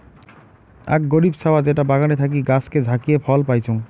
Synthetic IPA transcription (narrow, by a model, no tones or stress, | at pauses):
a̰k̚ɡoɾibʃaoad͡ʑeʈabaɡanet̪ʰakiɡasʰked͡ʑʱakiefʰɔlpajt͡ɕʰoŋ